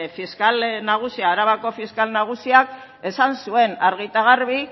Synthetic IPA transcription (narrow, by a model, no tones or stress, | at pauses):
fiskalnaɣ̞usiaːɾaβako̞fiskalnaɣ̞usiak | e̞sansue̞naɾɣ̞it̪aɣ̞aɾβi